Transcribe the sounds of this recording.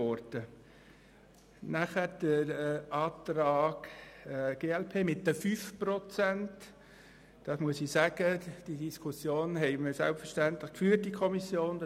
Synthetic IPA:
ɔɾtə | næχəd̥əɾʔɑːt̪ɾɑːɡ | ɡ̥eːɛlpʰeːmɪtːəfyfprɔt͡sænt | d̥ɑsmuəsisæɡ̥əd̥idiskʰusjoːnɦɛɪməɾsɛ̰lpfəʃtænt̪ləχkfyːət̚dikʰɔmisjoːnd̥

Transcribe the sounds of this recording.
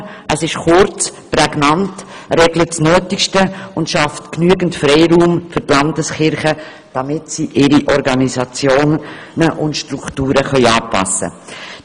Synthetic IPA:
ʔəsɪʃχʊɾt͡spɾɛɡnɑntrɛɡlətsnœːtiʃtəʊndʃɑftknyəɡn̩tfɾɛɪɾuːmfʏɾtlɑndəsχɪɾχə | d̥ɑmɪtsiʔɪɾiʔɔɾɡɑnizɑt͡sjoːn | nəʔʊntʃtɾuktuːɾəχœʏɑːpɑ̰sːə̰

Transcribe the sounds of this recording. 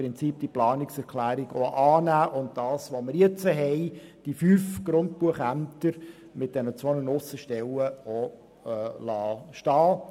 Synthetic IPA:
ɾɪnt͡siːp̚d̥iplɑːnɪksɛɾkʰlæːɾɪɡ̥oʔɑːnæːʔʊnt̚d̥ɑːsʋoməɾjɛt͡səɦɛɪd̥ifyːfɡ̥ɾʊnt̚buəχæmtəɾ | mɪt̚d̥ɛnət͡sʋonənʊsəʃtɛləo | lɑːʃtɑː

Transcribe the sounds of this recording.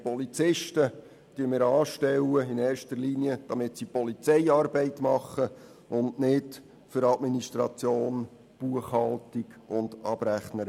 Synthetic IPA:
pɔlit͡sɪʃtə | d̥yəmɪɾɑːʃtɛwəɪnɛːrʃtəɾliniəd̥ɑmɪtsipɔlit͡sɛɪɑːrbɛɪtmɑχːə | ʊndnɪt | fʏɾɑdminiʃtɾɑ̰t͡sjoːn | b̥uəχhɑltiɡʊnd̥ɑbɾæχnəɾ

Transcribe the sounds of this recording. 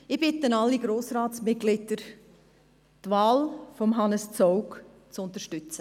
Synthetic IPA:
ɪb̥ɪtənɑlːiɡ̥ɾoːsɾaːtsmɪt̚ɡ̥lɪdəɾ | t̪vaːlfɔmɦɑnəst͡sɔʊk | t͡sʊnt̪əɾʃtʏt͡sə

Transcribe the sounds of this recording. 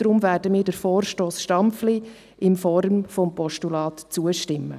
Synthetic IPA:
ɾʊmvæːɾdəmɪːɾdəɾfoːrʃtoːsʃtɑmpfli | ɪnfɔɾmfɔmpɔʃtulɑːtt͡suəʃtɪmːə̰

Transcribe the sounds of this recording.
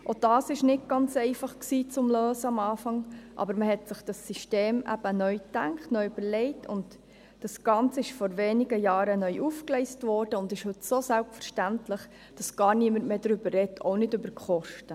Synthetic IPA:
ʔod̥ɑːsɪʃnɪt̚ɡ̥ɑnt͡sɛɪfɑχksiːt͡sʊmløːsəɑmɑːfɑŋʔɑ̰bəɾməɦɛtsɪχd̥ɑsːiʃteːmʔæ̰b̥ənœʏtæŋkχtnœʏb̥əɾlɛɪtʰʊ̰nt | d̥ɑsɡ̥ɑnt͡səɪʃfɔɾveːniɡəjɑːɾənœʏʔufklɛɪstvɔːɾd̥əʊndɪʃhɵtsoːsælpfəɾʃtæntləχ | d̥ɑsɡ̥ɑːɾniəməntmeːdɾʏbərrɛtʰo̰ʊnɪdʏbəɾkχɔʃtə

